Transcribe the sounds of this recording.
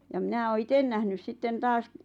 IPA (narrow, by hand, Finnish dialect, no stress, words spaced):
jɑ mĭnæ oː iten næhnys sitːen tɑːs